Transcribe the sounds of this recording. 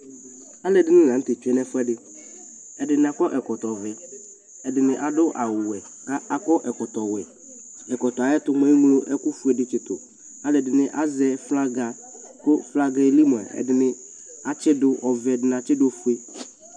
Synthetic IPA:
a˦lɛ˨dɪ˨˦nɪ˦˨ã˨n̩˦te˨t͡ʃu˦ɛ˦nɛ˦fʊ˦ɛ˦dɪ˨ | ɛ˨dɪ˨nɪ˨a˨kɔ˦ʔɛ˨kɔ˨tɔ˨vɛ˨ | ɛ˨dɪ˨nɪ̃˨ʔa˨dʊ˦ʔa˨wʊ˨ɛ˨ | ka˦a˨kɔ˦ʔɛ˨kɔ˨tɔ˨wɛ˨ | ɛ˨kɔ˨tɔ˨a˨jɛ˦tʊ˦m˦ɛ˦ŋ˦lo˦ʔɛ˦kʊ˦fu˨˦ɛ˨dɪ˨t͡ʃɪ˨tʊ˨ | a˦lɛ˨dɪ˨nɪ˦ʔa˦zɛ˦fla˦ɡa˨ | kʊ˦fla˦ɡa˦e˦li˦m˨ɛ̰˨ɛ̰˨dɪ˨nɪ̃˨ | a˨t͡ʃɪ˦dʊ˦ʔɔ˨vɛ˨dɪ˨n˨a˨t͡ʃɪ˦dʊ˦ɔ˨fu˦e˦

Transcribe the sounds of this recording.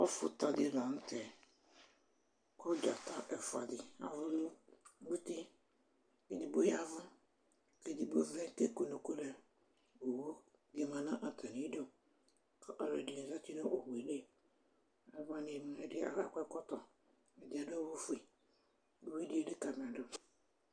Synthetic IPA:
ɔ˦fʊ̰˦ta˨dɪ˦˨lã˨n̩˦tɛ˨ | kʰɔ˦d͡ʒa̰˨ta˦ʔɛ˦fʊ˨a̰˨dɪ˨a̰˨vʊ˦lʊ˦bu˦ti˦ | ke˨di˨bo˦ja˦vʊ˦ | ke˦dɪ˨bo˦vɛ˦ke˦ko˨no˨ku˦lɛ˨ | o˨wo˦ | ɡe˨mã˨nã˦ʔa˨tʰa˨ni˨˦do˦ | ka˦ʔa˨ɾe˨di˨n˨za˦ti˦no˦ʔo˨hu˨e˨le˦ | a˦vã˦ne˨ma˨˦ɛ˨dɪ˦a̰˨ɾa̰˦˨kʷɛ˦kɔ˦tɔ˨ | ɛ˨dɪ˨a˨dʊ˦a˦wo˦fu˨˦i˨ | o˨wo˦di˦e˦dɪ˦ka˨m˨a˨dʊ˦

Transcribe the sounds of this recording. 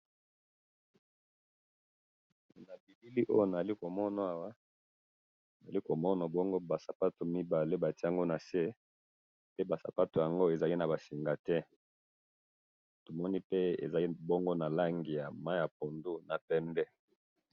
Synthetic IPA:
na˨bi˨bi˦li˦ʔo̰˦jo˦na˨a˨li˦ko˨mɔ˦na˨a˨wa˦ | na˨za˨li˦ko˨mɔ˦na˨bɔ˦ŋɡo˦ba˨sa˨pa˦to˨mi˦ba˨le˦ba˨ti˦a˨ŋɡo˦na˨se˦ | pe˦ba˨sa̰˨pa˦to˨ja˨ŋɡo˦e˨za˨li˦na˨ba˨si˨ŋɡa˨tɛ˦ | to˨mɔ˦ni˦pe˦ḛ˨za˨li˦bɔ˦ŋɡo˦na˨la˦ŋɡi˨ja˨ma˦ja˨p̚o˨ndu˦na˨pɛ˦mbɛ˦

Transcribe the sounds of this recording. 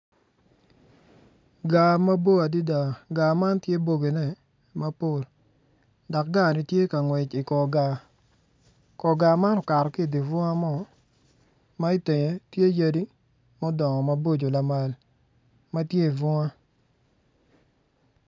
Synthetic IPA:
ɡa˨ma˦bo˦a˨di˦da˨ɡa˨ma˦ntje˦bo˨ɡe˨nɛ˦˨ | ma˦po˨l | dɔ˨k̚ɡa˦˨nɪ˦tje˦ka˨ŋwɛ˨t͡ʃi˨kɔ˨ɡa˨ | kɔ˨ɡa˨ma˦nɔ˨ka˨ɾɔ˨kɪ˦˨di˨vɔ˦ŋa˦mɔ˦ | ma˦i˦te˨ɲe˨tje˦ja˦di˦ | mɔ˦dɔ˨ŋɔ˨ma˦bo˦d͡ʒo˨la˨ma˨l | ma˦tje˦i˨vɔ˦ŋa˦

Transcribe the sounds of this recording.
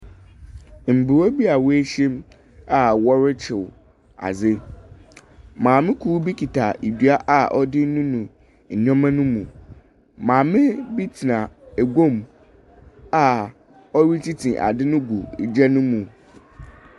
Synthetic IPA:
m̩˨bu˨wɔ˦bi˦a˨we˦ɕɛ̃˦m | a˨wɔ˦ɾɪ˦t͡ɕʰɪ˨w | a̰˨zɪ˦ | mãː˨mɪ̃˦kʰuː˦bi˦kʰi˨tʰa˨e˨dɥa˦ʔa˨ʔɔ˦dɪ˦n̩˦nũ˦nũ˨ | ɲ̩˨ɲᶣɔ̃˦mã˦nũ˦mũ˨ | mãː˨mɪ̃˦bi˦tʰi˨nã˨e˨ɡõ˦˨m | a˨ | ɔ˦ɾi˦t͡ɕʰi˦tʰĩ˨ʔa̰˨dɪ˦nʊ̃˦ɡu˨d͡ʑɛ˦nʊ̃˦mũ˨

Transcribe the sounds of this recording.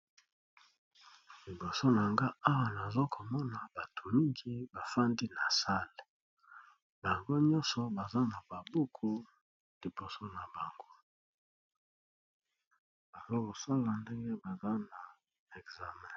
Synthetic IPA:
li˨bo˨so˦na˨ŋɡa˦a˦wa˨na˨zo˦kʰo˨mɔ˦na˨ba˨tʰu˨lu˦ŋɡi˦ba˨fa˦ndi˦na˨sa˦le˨ | ba˨ŋɡo˦ɲɔ˦nsɔ˨ba˨za˦na˨ba˨bu˦kʰu˦ | li˨bo˨so˦na˨ba˨ŋɡo˦ | b̥a˨zo˦ko˨sa˦la˨nde˦ŋɡe˦ba˨za˦na˨ | ɛ˨kza˨mɛ̃˦˨

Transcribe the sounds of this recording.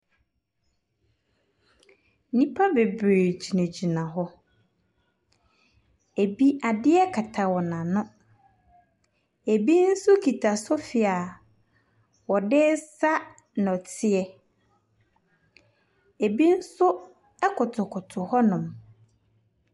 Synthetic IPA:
nĩ˦pʰa˦be˨bɾe˨d͡ʑi˨næ̃˨d͡ʑi˨nã˨ɦɔ˦ | e˨bi˦a˨dɪ˦ɛ˦kʰa˨tʰa˨wɔ˨nã˨nʊ̃˦ | e˨bi˦n̩˦sʊ˦kʰi˨tʰa˨sʊ˦fi˨a˨ | wɔ˨dɪ˦sa˦ | n˨ɔ˨tʰɪ˦ɛ˦ | e˨bi˦n̩˦sʊ˦ | ɛ˦kʰʊ˨tʰʊ˨kʰʊ˨tʰʊ˨hɔ˦nʊ̃˨m

